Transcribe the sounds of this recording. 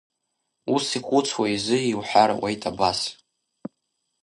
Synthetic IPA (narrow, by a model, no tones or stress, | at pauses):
usiχʷut͡sʰwaizɨiwħʷaɾa̰wʔejtʼabas